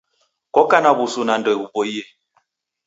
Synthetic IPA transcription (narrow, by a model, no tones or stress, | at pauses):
kɔkanabusunandɔɛbuboie